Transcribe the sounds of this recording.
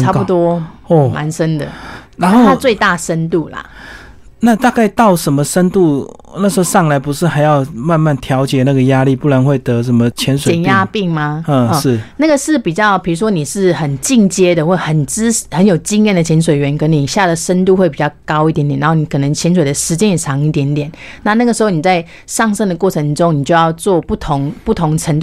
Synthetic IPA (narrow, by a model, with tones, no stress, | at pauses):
t͡sʰa˥pu˧˩t̪wɔ˥˧ma̰˧˦nʂə˥nd̪ə̰˨na˧˦no˥˧a˥t͡swe˥˧ɪt̪a˥˩ʂə˦˥nt̪u˥˩la̰˩ | na˥˧t̪a˥˧ka˥˧ɪt̪ɑ˥˩ʊʂə˧˦nmə˧ʂə˥nt̪u˥˧ | na˥˩ʂ̩˧˥o˥˧ʂɑ˥˩ŋla˧˥ɪpu˧˦ʂɻ̩˥˩xa˧˥ɪjɑ˥˩ʊma˥˧nma˥˩nt̪ʰjɑ˧˦ʊt͡ɕjɛ˨˩na˥˩ɡə˩ja˦˥li˥˨pu˥˩la˨˦nxwe˥˩ɪt̪ɤ˧˦ʂə˧˦nmə˧t͡ɕʰjɛ˧˦nswe˨ɛ˩˨nja˥pi˥˩ŋma˧ə˥˧˥ʂɻ̩˥˨na˥˩ɡə˩ʂɻ̩˥˩pi˨˩t͡ɕjɑ˥˩ʊpʰi˨˩ɻu˧˥ʂwɔ˥ni˨˩ʂɻ̩˥˩xə˨˩nt͡ɕi˥˧ŋt͡ɕjɛ˥d̪ə˨xwe˥˩xə˨˩nt͡s̩˥˨hə˧˦njo˨˩ʊt͡ɕi˥ŋjɛ˥˩nd̪ə˩t͡ɕʰjɛ˧˥nʂ̬we˨˩ɪɥɛ˧˥nkə˦˥nni˨˩ɕja˥˩d̪ə˩ʂə˥nt̪u˥˧xwe˥˩ɪpi˨˩t͡ɕɑ˥˩ʊkɑ˥ʊi˥˩t̪jɛ˧˦nt̪jn˧˦˥ni˧˥kʰɤ˨˩nə˧˦ŋt͡ɕʰjɛ˧˥nswe˨˩ɪd̪ə˩ʂɻ̩˧˥t͡ɕjɛ˥njɛ˨˩ʈ͡ʂʰɑ˧˥ŋi˥˩t̪̬jɛ˧˥nt̪jɛ˨˩˦n | na˥˧na˥˩ɡə˩ʂɻ̩˧˥xo˥˩ʊni˨˩t͡sa˥˧ɪ | ʂɑ˥˧ŋʂə˥˩ŋd̪ə˩kwɔ˥˩ʈ͡ʂʰə˧˦ŋʈ͡ʂʊ˥˦ŋni˨˩t͡ɕjo˥˧ʊjɑ˥˧ʊt͡swɔ˥˧pu˥˩t̪ʰʊ˧˦ŋpu˥˩t̪ʰʊ˧˥ŋʈ͡ʂʰə˧˥nt̪